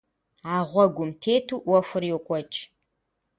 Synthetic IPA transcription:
aːʁʷɔɡʷʊmtʰeːtʰuːʔwɔfʷʊrjɛkʷʼɔt͡ʃʼ

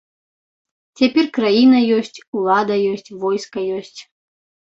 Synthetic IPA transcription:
t͡sʲapʲɛrkrajinɐjɔsʲt͡sʲulˠad̪ɐjɔsʲt͡sʲvɔjskɐjɔsʲt͡sʲ

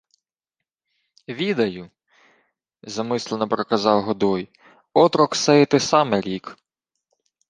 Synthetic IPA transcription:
ʋʲid̪ɐjʊ | zɐmɪslˠenɔpɾɐkɐzɑwɦɔd̪ɔj | ɔt̪ɾɔksɛjt̪ɛsɑmɛɾʲik

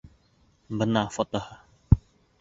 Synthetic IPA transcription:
bənafɔt̪ɔh

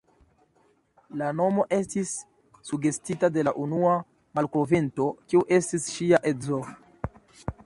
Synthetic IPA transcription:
lano̞mo̞ʔe̞stisː | uɡe̞stitade̞laʔunua | malkovinto̞kiuʔe̞stisʃiaʔezo

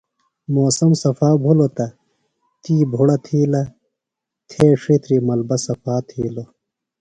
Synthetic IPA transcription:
moːsɐmsɐfaːbʱulot̪ɐ | t̪iːbʱuɽɐt̪ʰiːlɐ | t̪ʰeːʂit̪ɾimɐlbɐsɐfaːt̪ʰiːlo

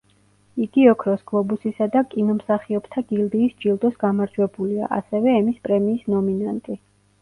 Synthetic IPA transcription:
iɡiɔkʰɾɔsɡ̥lˠɔbusisad̪akʼinɔmsaχiɔbt̪ʰaɡ̥ild̪iːsd͡ʒilˠd̪ɔsɡamaɾd͡ʒwɛbulia̰ʔa̰sɛvɛɛmispʼɾɛmiːsnɔminant̪ʼi

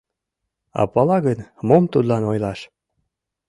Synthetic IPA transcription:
ɑ̰pɑlɑɣənmomt̪ud̪lɑnojlɑʃ

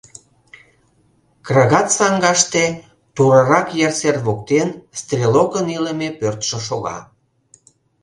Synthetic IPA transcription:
krɑɣɑt̪sɑŋɡɑʃt̪e | t̪uɾɑɾɑkjɑrserβok̚t̪enst̪rʲelokəniləmepørt̪ʃə̆ʃoɣɑ̰

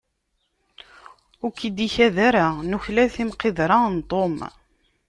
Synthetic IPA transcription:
ʊɾkːid̪içæðæɾanuçlæθimqeðɾˤɑnt̪ˤom

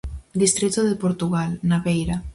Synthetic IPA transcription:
d̪ist̪ɾit̪oðepoɾt̪uɣalnaβejɾa

